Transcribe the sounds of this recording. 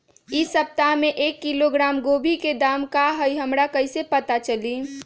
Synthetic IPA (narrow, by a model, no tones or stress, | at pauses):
isəp̚t̪aɦmeʔekːiloɡɾaːmɡobʱiked̪amkaɦəjɦəmɾakəɪsepət̪at͡ʃəli